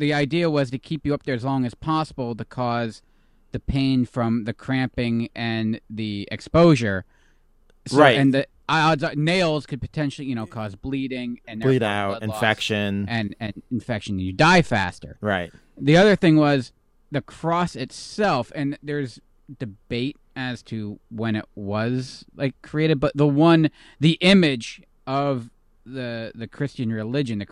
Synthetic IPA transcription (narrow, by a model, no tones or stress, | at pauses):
ðiaɪdiɨwʌz̥tɨkʰipjɨʌp̚ðə˞ɨzlɔ̃ŋɨz̥pʰɑsəbl̩ˠtɨkʰɔz | ðɨpʰẽɪ̃nfɹʌ̃mðɨkʰɹ̥æ̃mpɪ̃ŋɨ̃nðiɨ̰kspoʊʒə˞ | saɪɨ̃nðɨ | adzneɪlˠz̥kʰɨd̚pɨ̥tʰɛ̃nʃl̩ˠijɨñoʊkʰɔzbliɾɪ̃ŋɨ̃nðəiaʊɨ̰̃nfɛkʃɨ̃nɨ̃nɨ̃nɨ̃ɱfɛkʃɨ̃nɨ̃nɨdaɪfæ̰stə̰˞ɹaɪt̚ | ðiʌðə˞θɪ̃ŋwʌz | ðɨkʰɹ̥ɔsɨtsɛlˠfɨ̃nðə˞z | dɨbeɪɾ | ɨz̥tʰɨwɨ̃ñɪ̰ʔ̚wʌzlaɪkʰːɹ̥ieɪɾɨd̚bʌt̪̚ðəwʌ̃n | ðiʔɪ̃mɪd͡ʒ | ʌv | ðɨðɨkʰɹ̥ɪst͡ʃɨ̃nɹɨlɪd͡ʒɨ̃nðɨk